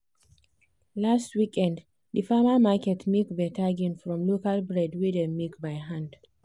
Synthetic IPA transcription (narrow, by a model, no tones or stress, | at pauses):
lastwikʰɛ̃nd | ðəfamamakɛtmikbɛtʰaɡĩnfɹɔ̃mlokalbɹɛdwidɛ̃mikbajɦãnd